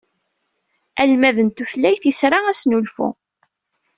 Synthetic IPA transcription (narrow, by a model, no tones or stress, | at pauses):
ælmæðənt̪uθlːæjθisɾˤaæsnulfṵ